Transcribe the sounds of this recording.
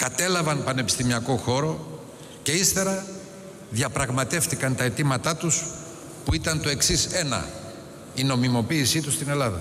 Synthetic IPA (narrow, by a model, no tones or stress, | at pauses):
kɐt̪e̞lɐvɐnpɐne̞pi̥st̪imiɐko̞xo̞ɾo̞ | ce̞ist̪e̞ɾɐ | ðiɐpɾɐɣmɐt̪e̞fθikɐnt̪ɐe̞t̪imɐt̪ɐt̪us | puit̪ɐnt̪o̞e̞ksise̞nɐ̰ | ino̞mimo̞piːsit̪ust̪ine̞lɐðɐ̰